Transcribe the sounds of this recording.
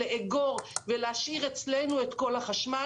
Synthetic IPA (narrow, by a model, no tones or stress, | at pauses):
eʔeɡo̞ʁveleaʃiʁet͡slenuetko̞laχaʃma